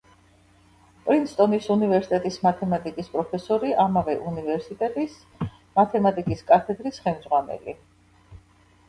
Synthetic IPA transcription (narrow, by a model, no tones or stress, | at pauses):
pʼɾinst̪ʼɔnisunivɛɾsit̪ʼɛt̪ʼismat̪ʰɛmat̪ʼikʼispʼɾɔpʰɛsɔɾiʔamavɛʔunivɛɾsit̪ʼɛt̪ʼis | mat̪ʰɛmat̪ʼikʼiskʼat̪ʰɛd̪ɾisχɛmd̪zʁwanɛ̰lḭ